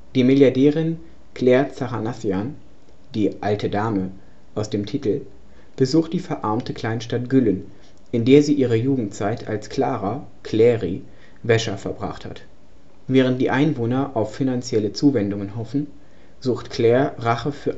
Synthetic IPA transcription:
d̥iːmɪljaɐdɛːʁɪn | kl̥ɛːɐt͡saʁanaθjan | d̥iːʔaltʰədaːmə | ʔaʊsd̥eːmtʰitl̩ | b̥əzuːxt̚d̥iːfɛɐʔaɐmtʰəkl̥aɪnʃtatɡ̥ʏlən | ʔɪndeːɐziːʔiːʁəjuːɡŋ̩t̚t͡saɪtʰa̰lskl̥aːʁɐ | kʰlɛːʁḭ | vɛʃɐfɛɐbʁa̰χtha̰t | vɛːʁənt̚d̥ḭːʔaɪnvoːnɐʔaʊfːinant͡sjɛlət͡suːvɛndʊŋənɦɔfn̩ | z̥uːxtkʰl̥ɛːɐʁaχəfyːɐ

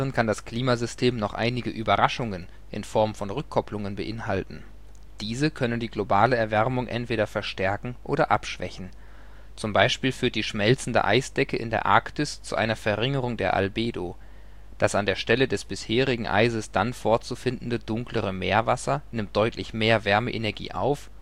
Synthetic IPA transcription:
ʁənkʰandaskl̥iːmazʏstʰeːmnɔχʔa̰ɪnɪɡəʔyːbɐʁaʃʊŋən | ʔɪ̰nfɔɐmfɔnʁʏkʰːɔplʊŋənbəʔɪnhaltn̩ | d̥iːzəkʰœnəndiːɡlobaːləɛɐvɛʁmʊŋʔɛ̰ntv̥eːɾɐfɛɐʃtɛɐkŋ̩ʔo̰ːɾɐʔa̰pʃv̥ɛ̰çn̩ | t͡sʊmbaɪʃpiːlfyːɐt̚d̥iːʃmɛlt͡sn̩də̰ʔa̰ɪsd̥ɛkəʔɪ̰ndeːɐʔa̰ɐktɪst͡sṵʔa̰ɪnɐfɛɐʁɪŋəʁʊŋdeːɐʔa̰lbeːdo | d̥asandeːɐʃtɛlədɛsb̥ɪsheːʁɪɡŋ̩ʔa̰ɪzəsd̥anfoɐt͡sufɪndn̩dədʊŋkləʁəmeːɐvasɐnɪmt̚d̥ɔʏtʰlɪçmeːɐvɛɐməʔḛnɛɐɡḭːʔa̰ʊf

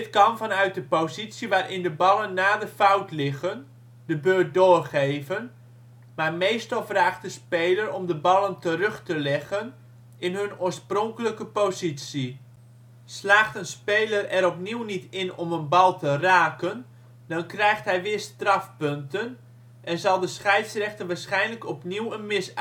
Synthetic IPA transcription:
dɪtkɑnvɑnœɥt̚dəpozitsiʋaːɾʔɪndəbɑlˠənːaːdəfawtlɪɣən | dəbøːt̚doːrχejvən | maːrmejstɑlˠfraːχt̚dəspejləɾɔmdəbɑlˠəntərɵχtəlɛɣən | ɪnɦɵnʊːɹsprɔŋkələkəpozitsi | slaːχtənspejlərɛɾɔpniwnitɪnɔmənbɑlˠtəraːkən | dɑnkrɛjxtɦɛjʋɪːɹstrɑfpøntən | ʔɛnzɑlˠdəsχɛjtsrɛxtənʋaːsχɛjnləkɔpniwənmɪs

